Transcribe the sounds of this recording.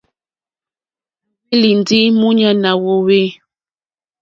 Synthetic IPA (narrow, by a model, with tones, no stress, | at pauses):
e˦li˨n˨di˦mu˦ɲa˦na˨wo˦we˦